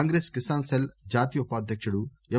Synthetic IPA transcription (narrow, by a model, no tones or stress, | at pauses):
aːŋɡɾeːskisaːnseld͡ʒaːt̪ijupaːd̪ʱjɐkʂɐɽu | ɛ